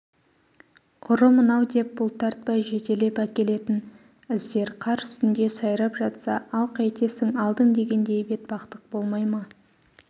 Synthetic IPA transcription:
ʊɾəmənɑwd̪e̞p̚bʊlˠt̪ʰɑɾt̪̚pɑjʒe̞t̪e̞le̞pækʲe̞le̞t̪ɪn | ɪzd̪e̞ɾqʰɑɾʏ̥st̪ɪnd̪e̞sɑjɾɑpʒɑt̪sɑɑlˠqʰɑjt̪e̞sɪŋɑlˠd̪əŋd̪e̞ɡʲe̞nd̪e̞jbe̞t̪̚bɑqt̪əq̚bo̞lˠmɑjmɑ

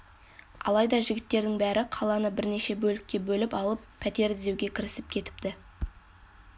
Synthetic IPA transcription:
ɑ̰lˠɑjd̪ɑʒɪɡʲɪt̪ːe̞ɾd̪ɪŋbæɾɪqʰɑlˠɑnəbɪɾne̞ʃe̞bɵlɪkʲːe̞bɵlɪpɑlˠəppʰːæt̪e̞ɾɪze̞wɡʲe̞kʲʰɪɾɪsɪp̚kʲʰe̞t̪ɪ̥p̚t̪ɪ

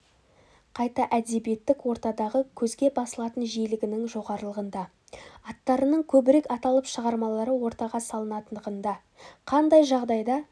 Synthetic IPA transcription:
qʰɑjt̪ɑʔæd̪e̞bije̞t̪ːɪkwo̞ɾt̪ɑd̪ɑʁəkʲʰɵzɡʲe̞bɑsəlˠɑt̪ənʒijlɪɡʲɪnɪŋʒo̞ʁɑɾəlˠəʁənd̪ɑ | ɑt̪ːɑɾənəɴkʲʰɵbɪɾekɑt̪ɑlˠəpʃəʁɑɾmɑlˠɑɾəwo̞ɾt̪ɑʁɑsɑlˠənɑt̪ənd̪əʁənd̪ɑ | qʰɑnd̪ɑjʒɑʁd̪ɑjd̪ɑ

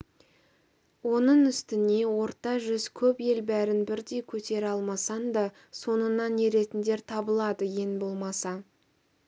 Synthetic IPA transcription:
wo̞nəɴʏst̪ɪne̞wo̞ɾt̪ɑʒʏzkʲʰɵpje̞lbæɾɪnbɪɾd̪e̞jkʲʰɵt̪e̞ɾɑlˠmɑsɑnd̪ɑ | so̞nənɑnːe̞ɾe̞t̪ɪnd̪e̞ɾt̪ʰɑbəlˠɑd̪əje̞nbo̞lˠmɑsɑ

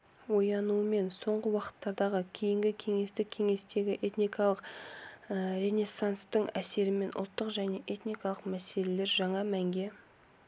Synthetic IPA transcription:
wo̞jɑnuəme̞nso̞ɴʁəwɑqə̥t̪ːɑɾd̪ɑʁəkʲʰejɪŋɡʲɪkʲʰe̞ŋe̞st̪ɪk̚ʲʰːe̞ŋe̞st̪e̞ɡʲɪʔe̞t̪nijkɑlˠəq | ɾʲene̞sːanst̪əɴæse̞ɾɪme̞nʔʊ̰lˠt̪ːəqʒæne̞ʔe̞t̪nikɑlˠəqmæse̞le̞le̞ɾʒɑɴɑmæŋɡʲe̞

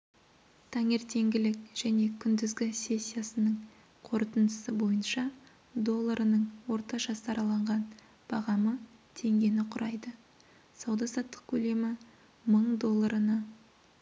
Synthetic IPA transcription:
t̪ʰɑŋe̞ɾt̪ʰe̞ŋɡʲɪlɪk̚ʒ̥æne̞kʲʰʏnd̪ɪzɡʲɪsʲe̞sʲːijasənəɴ | qʰo̞ɾt̪ənd̪əsəbo̞jənʃɑ | d̪o̞lˠːaɾʔənəɴwo̞ɾt̪ɑʒɑsɑɾɑlˠɑɴʁɑn | b̥ɑʁɑmət̪ʰe̞ŋɡʲe̞nɪqʰʊɾʔɑjd̪ə | sɑwd̪ɑsɑt̪ːə̥q̚kʲʰɵle̞mɪ | məɴd̪o̞lˠːaɾənɑ

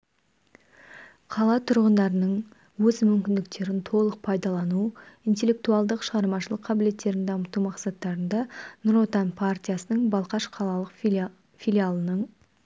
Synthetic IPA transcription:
qʰɑlˠɑt̪ʰʊɾʁənd̪ɑɾənəɴ | wɵzmʏmkʲɪnd̪ɪk̚t̪e̞ɾɪnt̪ʰo̞lˠəq̚pʰɑjd̪ɑlˠɑnuijnt̪e̞lʲe̞k̚t̪uɑlˠd̪əqʃəʁɑɾmɑʃəlˠəqʰːɑbɪle̞t̪ːe̞ɾɪnd̪ɑəmət̪umɑqsɑt̪ːɑɾənd̪ɑnʊɾo̞t̪ɑnpʰart̪ʲijasənəɴbɑlˠqɑʃqʰɑlˠɑlˠəq | filʲijalˠənəɴ

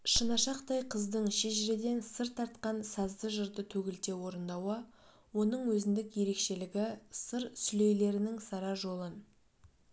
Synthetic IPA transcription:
ʃənɑʃɑqt̪ɑjqʰəzd̪əɴʃeʒɪɾed̪e̞nsəɾt̪ʰːɑɾt̪qɑnsɑzd̪əʒəɾd̪ət̪ʰɵɡʲɪlt̪e̞wo̞ɾənd̪ɑwə | wo̞nəɴwɵzɪnd̪ɪkje̞ɾe̞kʃe̞lɪɡʲɪsəɾsʏle̞jle̞ɾɪnɪŋsɑɾɑʒo̞lˠən

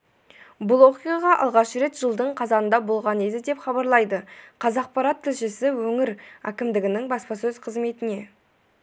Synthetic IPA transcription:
bʊlˠo̞qʲijɑʁɑʔɑ̰lˠʁɑʃəɾe̞t̪ʒ̥əlˠd̪əɴqʰɑzɑnənd̪ɑbo̞lˠʁɑne̞d̪ɪd̪e̞pχɑbɑɾlˠɑjd̪əqʰɑzɑq̚pɑɾɑt̪ʰːɪlʃɪsɪwɵŋɪɾæ̰kʲɪmd̪ɪɡʲɪnɪŋbɑspɑsɵzqʰəzme̞t̪ɪne̞

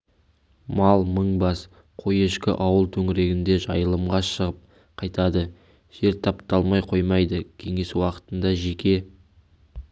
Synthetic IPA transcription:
mɑlˠməɴbɑs | qʰo̞je̞ʃkʲɪ̰ʔɑwəlˠt̪ʰɵŋɪɾe̞ɡʲɪnd̪e̞ʒɑ̰jəlˠəmʁɑʃəʁəp̚ | qʰɑjt̪ɑd̪ə | ʒ̥e̞ɾt̪ʰɑpt̪ɑlˠmɑjqʰo̞jmɑjd̪əkʲʰe̞ŋe̞swɑqə̥t̪ənd̪ɑʒe̞kʲe̞

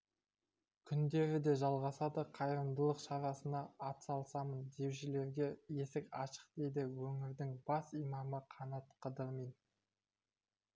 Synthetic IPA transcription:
kʲʰʏnd̪e̞ɾɪd̪e̞ʒɑlˠʁɑsɑd̪əqʰɑjɾəmd̪əlˠəqʃɑɾɑsənɑːt̪sɑlˠsɑmənd̪e̞wʃɪle̞ɾɡʲe̞je̞sɪkʲɑʃə̥q̚d̪̥e̞jd̪ɪwɵŋɪɾd̪ɪŋbɑsijmɑməqʰɑnɑt̪qʰəd̪əɾmijn

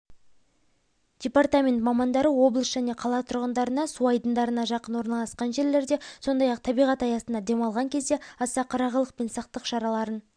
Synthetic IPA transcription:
d̥ʲepart̪amʲe̞nt̪mɑmɑnd̪ɑɾəwo̞blˠəsʒ̥æne̞qʰɑlˠɑt̪ʰʊɾʁənd̪ɑɾənɑsuɑjd̪ənd̪ɑɾənɑʒɑqənwo̞ɾnɑlˠɑsqɑnʒe̞ɾle̞ɾd̪e̞so̞nd̪ɑjɑq̚t̪ʰɑbijʁɑt̪ɑjɑsənd̪ɑd̪e̞mɑlˠʁɑŋkʲʰe̞zd̪e̞ɑsɑqʰɑɾɑʁəlˠəq̚pe̞nsɑq̚t̪əqʃɑɾɑlˠɑɾən

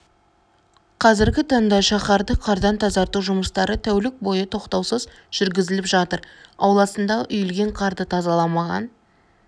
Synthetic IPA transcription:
qʰɑzɪɾɡʲɪt̪ʰɑɴd̪ɑʃɑχɑɾd̪əqʰɑɾd̪ɑnt̪ʰɑzɑɾt̪uʒʊməst̪ɑɾət̪ʰæwlɪk̚bo̞jət̪ʰo̞qt̪ɑwsəz | ʒ̥ʏɾɡʲɪzɪlɪpʒɑt̪əɾɑwlˠɑsənd̪ɑʔʏjɪlɡʲe̞ɴqʰɑɾd̪ət̪ʰɑzɑlˠɑmɑʁɑ̰n

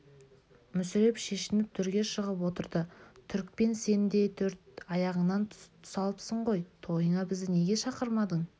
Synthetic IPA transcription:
mʏsɪɾe̞pʃe̞ʃɪnɪp̚t̪ʰʏɾɡʲe̞ʃəʁəp̬wo̞t̪əɾd̪ət̪ʰʏɾk̚pe̞nse̞nd̪e̞jt̪ʰɵɾt̪̚ɑjɑʁəɴnɑnt̪ʰʊ̥sɑlˠəpsəɴʁo̞jt̪ʰo̞jəɴɑbɪzd̪ɪne̞ɡʲe̞ʃɑqəɾmɑd̪əɴ

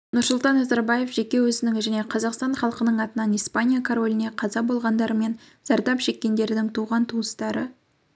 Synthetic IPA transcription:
nʊɾsʊlˠt̪ɑnːɑzɑɾbɑje̞fʒe̞kʲe̞wɵzɪnɪŋʒæne̞qʰɑzɑqst̪ɑɴχɑlˠəqənəɴɑt̪ənɑnijspanʲijakʰoɾo̞lʲɪne̞qʰɑzɑbo̞lˠʁɑnd̪ɑɾəme̞n | z̥ɑɾd̪ɑpʃe̞kʲːe̞nd̪e̞ɾɪd̪ɪŋt̪ʰuʁɑnt̪ʰuəst̪ɑɾə

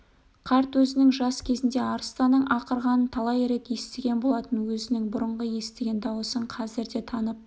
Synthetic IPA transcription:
qʰɑɾt̪wɵzɪnɪŋʒɑskʲʰe̞zɪnd̪e̞ɑɾəst̪ɑnːəɴʔɑqəɾʁɑnənt̪ʰɑlˠɑjɾe̞k̪je̞st̪eɡʲe̞nbo̞lˠɑt̪ənwɵzɪnɪŋbʊɾəɴʁəje̞st̪eɡʲe̞nd̪ɑwəsəɴqʰɑzɪɾd̪e̞t̪ʰɑnəp̚

